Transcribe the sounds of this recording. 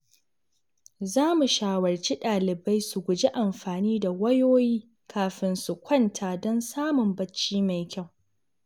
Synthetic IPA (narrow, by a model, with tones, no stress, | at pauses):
zaː˦mu˨ʃaː˨wɐ˨rt͡ʃi˦ɗaː˨lɪ˨ba˦jsu˨ɡʷʊ˨d͡ʒi˦ʔa˨mɸaː˨niː˦da˨wɐ˦joː˦jiː˦ | kʰaː˨ɸɪ˨nsu˨kʷɐ˦ntʰaː˨dɔ˦nsaː˦mʊ˨mbɐ˦t͡ʃːiː˦ma˨jkʲa˦˨w